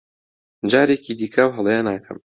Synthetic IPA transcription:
d͡ʒaːɾeciːd̪iːkʰawɦəlˠjanaːkʰɐ̰m

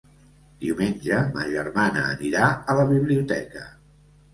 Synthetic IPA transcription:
d̪̥iumenʲʒəmə̰ʒəɾmanəːniɾaələβiβliut̪ɛkə

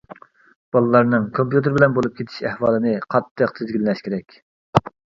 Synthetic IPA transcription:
b̥ɑlˠɨlˠɑɾnɨŋkʰompjut̪ɨɾbɪlɛnbolˠup̚kʲʰet̪ʰɪ̥ʃɛhwɑːlˠɨnɨqʰɑt̪ʰːəq̚t̪ʰɪzɡʲilːɛʃkʲʰeɾɛkʲ

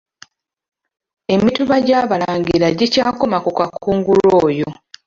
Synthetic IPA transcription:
e̞mituβaɟaːβalaːɲɟiɾaɟicaːko̞makukakʰuːŋɡulo̞ːjo

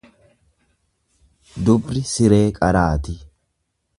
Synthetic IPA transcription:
d̪ʊbɾɪsɪɾeːkʼɐɾaːt̪ɪ

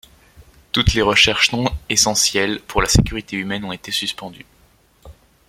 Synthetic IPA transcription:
t̪ut̪leʁəʃɛʁʃsɔ̃esɑ̃sjɛlpʰuʁlasekʲyʁit̪eymɛnɔ̃tet̪esyspɑ̃d̪y

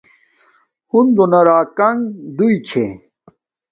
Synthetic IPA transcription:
hund̪onɐɾaːkɐŋd̪uit͡ɕʰḛ

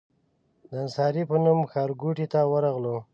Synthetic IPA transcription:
d̪əɪnsɑɾipənumxɑɾɡuʈit̪awəɾaɣlo

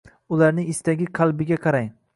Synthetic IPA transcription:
ʊlaɾnɪɪst̪aɡʲɪqʰɑlˠbɪɡʲaqʰɑɾaj

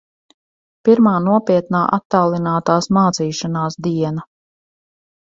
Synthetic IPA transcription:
piɾmaːnuɔpiɛt̪naːʔat̪ːaːlˠinaːt̪aːsmaːt̪siːʃanaːsd̪iɛna

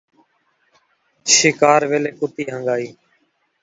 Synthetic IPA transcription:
ʃɪkaːɾʋeːleːkʊt̪iːɦəŋɡaːiː

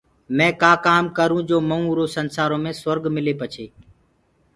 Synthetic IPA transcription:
mɛ̃ːkaːkaːmkəɾũːd͡ʒoːməũːɾoːsənsaːɾõːmẽːsəɾɡmɪleːpət͡ʃʰeː

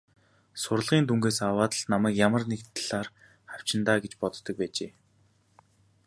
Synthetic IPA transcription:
sʊrə̆ɮʁiːnt̪uŋɡeːsawaːt̪ə̆ɮnamæːkjamə̆rnekt̪ʰɮaːr | χaw̥t͡ɕɪ̆nt̪aːɡet͡ɕpɔt̪ːə̆k̚pæːt͡ɕeː

